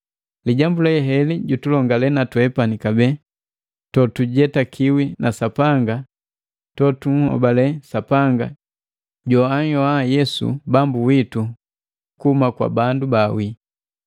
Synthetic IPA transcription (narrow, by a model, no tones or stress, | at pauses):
liɟambulɛɦɛliɟutulɔŋɡalɛnatwɛpanikabɛ | tɔtuɟɛtakʰiwinʔasapaŋɡa | tɔtuŋ̩hɔ̰balɛsapaŋɡa | ɟɔaɲɔajɛsṵbambuwitu | kumakwa̰bandubawi